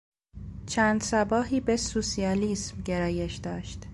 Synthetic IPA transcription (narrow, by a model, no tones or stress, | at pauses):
t͡ʃʰæːnd̪sæbɒːɦiːbe̞susiɒːliːsmɟe̞ɾɒːje̞ʃd̪ɒːʃt̪